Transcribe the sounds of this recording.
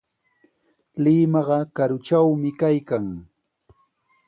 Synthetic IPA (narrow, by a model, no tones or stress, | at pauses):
lɪmɑɢɑkaɾʊt͡ʃawmɪkajkaŋ